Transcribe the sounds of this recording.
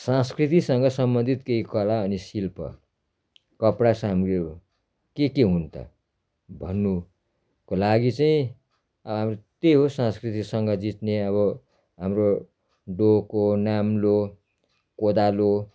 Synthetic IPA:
sãskrit̪isʌŋɡʌsʌmbʌnd̪ʱit̪keikʌɽaʌnisilpʰʌ̰ | kʌpɽasamɡe | kekeɦunt̪ʰʌ̰ | bʱʌnːu | kolaɡit͡saĩ | ʌbʌɦamrot̪eɦosãskrit̪isʌŋɡʌd͡zit̪neʌβʌ | ɦamro | ɖokonamlo | kod̪alo

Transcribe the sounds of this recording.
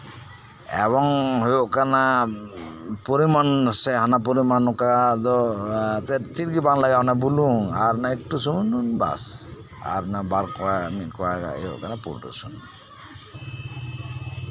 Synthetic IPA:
ɛ̰βɔŋɦojoʔkana | poɾimansɛɦanap̬oɾimanukad̪ɔt̪ɛt͡ʃiɾɡibanlaɡanabuluŋaɾnaek̚ʈusumununba̰s | a̰ɾnabaɾkɔamit̚kɔaɡa̰ḛjo̰ʔkanapṵɾʈṵsṵn

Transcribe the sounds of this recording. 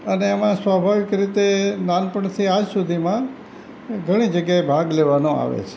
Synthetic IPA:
əneːmãsʋabʱaʋɪkɾit̪enanpəɳt̪ʰiad͡ʒsud̪ʱimã | ɡʱəɽ̃id͡ʒəɡjaebʱaɡleʋanõa̰ʋḛt͡ʃʰe̥

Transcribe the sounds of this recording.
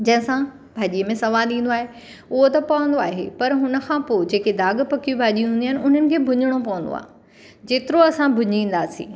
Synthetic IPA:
d͡ʑɐ̃ɦɪ̃sã | bʱaːʄiːəmẽsɐʋaːlɗĩːn̆d̪oaːɦe | ʊɦot̪ɐpɐʋə̃nd̪oaːɦḛpɐɾɦʊnə̆kʰãːpoːd͡ʑeːked̪aːɡpɐkijũbʱaːʄijũɦũːniaːɪnɪ̆ʊn̤ənɪ̆kʰeːbʱʊɲɪɽ̃opɐʋə̃n̆d̪o̰a̰ːɦ | d͡ʑeːt̪ɪɾoɐsãbʱʊɲĩːnd̪aːsḭ̃ː

